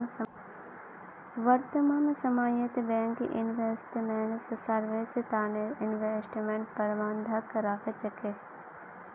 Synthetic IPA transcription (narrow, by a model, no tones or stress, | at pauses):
ʋɐɾt̪əmaːnsɐmaːjət̪bɛ̃ːŋkḭʔɪnʋeːsʈmeɳʈssɐɾʋeːset̪aːneɪnʋesʈmẽɳʈpɐɾʋaːnd̪ʱakːɐɾaːket͡ʃɐke